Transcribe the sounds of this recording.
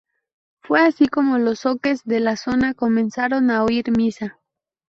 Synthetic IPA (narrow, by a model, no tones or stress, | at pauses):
fweasiko̞mo̞losoke̞zðe̞laso̞nako̞mẽ̞nsaɾo̞naoiɾmisa